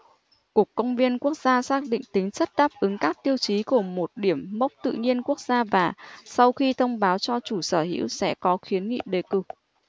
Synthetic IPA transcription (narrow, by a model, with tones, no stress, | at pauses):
ku˨˩əkːə˧wŋ͡mvi˧ənku˦˥ək̚zaː˧saː˦˥k̚ɗḭ̈˧˨ŋ̟t̪ï˨˦ŋ̟sə˦˥t̚ɗaː˦˥p̚ʔɨ˨˦ŋkaː˦˥k̚t̪i˧əwt͡ɕi˨˦ku˧˩əmo˨˩t̚ɗi˧˩əmː˦˥wk͡p̚t̪ɨ̰˧˨ɲi˧ənku˦˥ək̚z̥aː˧vaː˨˩sa˧wxi˧t̪ʰə˧wŋ͡mɓaː˨˦wt͡ɕɔ˧t͡ɕu˧˩səː˧˩hḭ˧˥wsɛ̰˧˥kɔ˨˦xi˨˦ənŋḭ˧˨ɗe˨˩kɨ˨˩